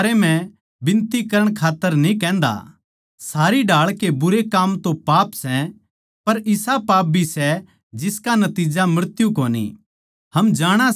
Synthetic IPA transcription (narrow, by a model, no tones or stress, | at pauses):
ɾemɛ̃ | bɪ̃nt̪ikɐɾəɽ̃kʰaːt̪ːəɾnĩkɛ̃ːn̆d̪a̰ | saːɾiɖaːɭkebʊɾekaːmt̪õpaːpsɛ | pɐɾɪsapaːp̚bʱisɛ | d͡ʒɪskanɐt̪iːd͡ʒamɾət̪jukoːnḭ | hɐmd͡ʒaːɽ̃a